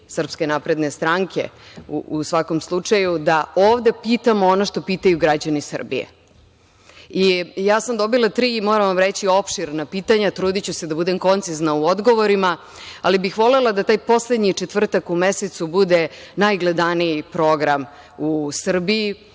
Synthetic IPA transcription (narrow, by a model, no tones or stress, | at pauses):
sr̩pske̞napɾe̞d̪nest̪ɾaŋkʰḛuusʋako̞mslˠut͡ʂajud̪aoːvd̪e̞piːt̪amoonoʃt̪o̞piːt̪ajuɡɾad͡ʑanisr̩bḭjḛ | ijaːsamd̪o̞bilˠat̪ɾiːmoːɾaʋamɾet͡ɕio̞pʃiɾnapiːt̪aɲat̪ɾuːd̪it͡ɕused̪abud̪e̞mko̞nt̪siznauod̪ɡo̞ʋoɾima | alibixʋo̞lelˠad̪at̪aːjpo̞sled̪ɲit͡ʃet̪ʋr̩t̪akumeset̪subud̪e̞najɡled̪aniipɾo̞ɡɾam | usr̩bii